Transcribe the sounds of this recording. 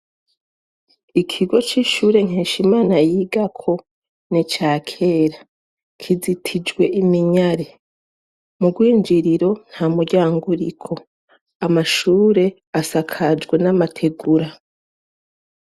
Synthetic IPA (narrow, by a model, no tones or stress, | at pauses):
ikʰiɡo̞t͡ʃiʃuːɾe̞ŋ̥heːʃimaːnajiɡakʰo̞ | nit͡ʃaːkʰe̞ːɾa | kʰizitʰid͡ʒɡwe̞ʔimiɲaɾe | muɡwiːnd͡ʒiɾiɾo̞n̥haːmuɟaːŋɡuɾḭkʰo̞ | amaʃuːɾe̞ | asakʰad͡ʒɡwe̞namatʰe̞ɡuɾa